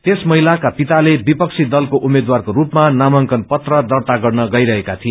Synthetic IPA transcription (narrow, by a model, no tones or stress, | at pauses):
t̪esmʌɦilakapit̪alebipʌk̚sʰid̪ʌlkoʔumed̪warkoɾupmanamʌŋkʌnpʌt̪rʌd̪ʌrt̪aɡʌrnʌɡʌjɾʌɦekat̪ʰie